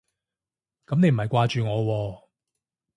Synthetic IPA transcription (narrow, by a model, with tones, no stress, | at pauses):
kɐ˨˥mne˨˧jm̩˨˩hɐ˨jkʷwaː˧t͡ʃyː˨ŋɔː˨˧wɔː˧